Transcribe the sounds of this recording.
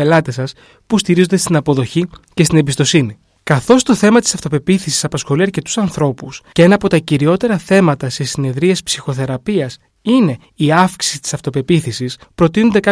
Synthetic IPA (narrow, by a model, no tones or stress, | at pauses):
elɐt̪e̞sɐs | pust̪iɾizond̪est̪inɐpo̞ðo̞çice̞st̪ine̞bist̪o̞sini | kɐθo̞st̪o̞θe̞mɐt̪isɐft̪o̞pe̞piθisi̥sɐpɐsxo̞liɐɾce̞t̪u̥sɐnθɾo̞puscee̞nɐːpo̞t̪ɐciɾio̞t̪e̞ɾɐθe̞mɐt̪ɐse̞sine̞ðɾiɐspsi̥xo̞θe̞ɾɐpiɐs | ine̞ | iɐfksi̥sit̪i̥sɐft̪o̞pe̞piθisispɾo̞t̪inond̪e̞kɐ